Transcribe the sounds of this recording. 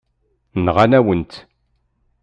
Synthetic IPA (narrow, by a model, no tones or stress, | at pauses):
nʁanæwənt̪